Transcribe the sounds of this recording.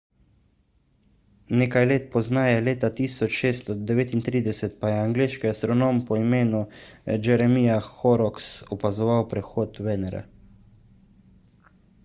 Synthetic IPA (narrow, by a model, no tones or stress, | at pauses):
neːkajleːt̪̚pɔznaːjɛleːt̪at̪iːsɔt͡ʃʃeːst̪ɔd̪ɛʋeːt̪int̪ɾiːd̪ɛsɛt̪pajɛaŋɡleːʃkiast̪ɾɔnoːmpɔimeːnud͡ʒɛɾɛmijaxɔɾɔksɔpazɔʋawpɾɛxoːt̪ʋɛːnɛɾa̰